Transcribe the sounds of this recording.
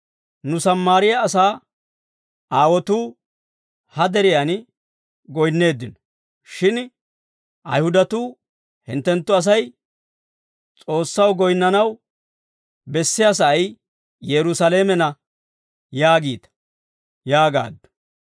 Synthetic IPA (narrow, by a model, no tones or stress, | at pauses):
nʊsɐmːaːɾɪjɐːs̬aː | aːwɔt̪uː | hɐd̪ɛɾɪjan | ɡɔjnːe̞ːd̪ːɪnɔ̥ | ʃɪn | ʔɐ̰jhʊd̪ɐt̪uː | hɪ̰nt̪ːɛnt̪ːʊɐs̬ɐj | t͡sʼo̞ːsːɐwɡɔjnːɐnɐw | bɛsːɪjas̬ɐɐj | jɛɾʊsɐleːmɛnɐ | jaːɡiːt̪ɐ̥ | jaːɡa̰ːd̪ːʊ̥